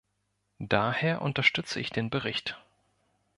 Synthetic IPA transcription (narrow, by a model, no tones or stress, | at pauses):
d̥aːheːɐʔʊntɐʃtʏt͡səʔɪçd̥eːnbəʁɪçt